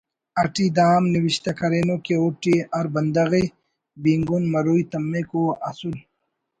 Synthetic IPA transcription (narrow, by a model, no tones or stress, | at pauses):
ɐʈid̪aːmniwiɕt̪ɐkɐɾeːnokeuʈiɐɾbɐnd̪ɐɣi | biŋɡunmɐɾujt̪ɐmːekoɐ̰sul